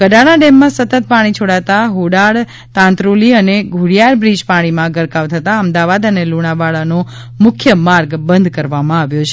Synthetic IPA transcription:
kəɖaɽaɖɛmːãsət̪ət̪̚paɽ̃it͡ʃʰoɽat̪aɦoɽaɭ | t̪ãnt̪ɾoliəneɡʱuɽijaɾbɾid͡ʒpaɽ̃imãɡəɾkaʋt̪ʰət̪aəmd̪aʋad̪əneluɽ̃abaɭano | mʊkʰjəmaɾɡbənd̪ʱkəɾʋamãaʋjot͡ʃʰe

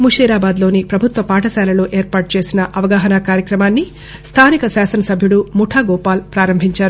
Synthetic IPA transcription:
muʂiːɾaːbaːd̪lo̞ːnipɾɐbʱut̪ʋɐpaːʈɐsaːlɐlo̞ːʔe̞ːɾpaːʈ̚t͡ʃe̞ːsinɐʔɐʋɐɡaːɦɐnɐkaːɾjɐkɾɐmaːnːi | st̪ʰaːnikɐsaːsɐnɐsɐbʱjuɽumuʈʰaːɡɔːpaːlpɾaːɾɐmbʱiɲt͡ʃaːɾu

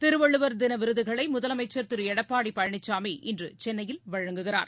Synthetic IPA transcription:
t̪ɪɾɯʋɐɭːɯʋɐɾd̪ɪnɐʋɪɾɯðɯɣɐɭɐɪmʊðɐlɐmɐɪt͡ʃːɐɾt̪ɯɾɯɛɽɐpːaːɽipːɐɻɐɳɪt͡ʃːaːmiʔɪndrɯt͡ʃɛnːɐjɪlʋɐɻɐŋɡɯɣɪra̰ːɾ

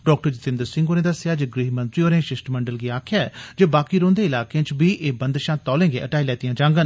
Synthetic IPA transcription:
ɖɔːk̚ʈəɾd͡ʒɪt̪ɪ̃nd̪əɾsɪ̃ŋɡoːnẽːd̪əsjaːd͡ʒeːɡɾiːmə̃nt̪ɾiːoːnẽːʃɪsʈməɳɖəlɡiːaːkʰjaːɛːd͡ʒeːbaːkiːɾoːnd̪eːɪlaːkeãt͡ʃbiːʔeːbənd̪ʃãːt̪ɔːlẽːɡḛːʔəʈaːiːlɛːt̪ijãːd͡ʒãːŋɡən

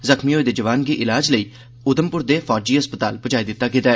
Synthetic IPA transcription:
zəxmioːed̪eːd͡ʒəʋaːnkiʔɪlaːd͡ʒləiː | ʊd̪əmpʊɾd̪eːfaːɾd͡ʒiːɦəspət̪aːlbət͡ʃaːid̪ɪt̪ːakɪt̪aɛ

